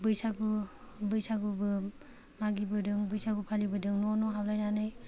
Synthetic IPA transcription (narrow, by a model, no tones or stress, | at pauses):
bɯjsaɡu | bɯjsaɡubɯ | maɡibɯdɯŋbɯjsaɡupʰalibɯdɯŋnɔnɔɦawlajnanɯj